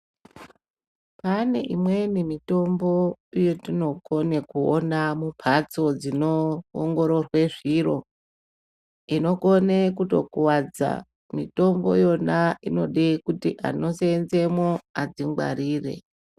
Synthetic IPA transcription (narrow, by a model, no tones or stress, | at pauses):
pane̞ʔimwe̞nimito̞mbo̞ijotino̞ko̞ne̞kuo̰namupʰat͡so̞d͡zino̰ːŋɡo̞ɾo̞rwe̞ʐiro̞ | ino̞konekuto̰kuwad͡za̰ | mito̞mbo̞jo̞naino̞ɗekutiʔa̰no̞seːnze̞mwoad͡ziŋɡwa̰ɾiːre̞̰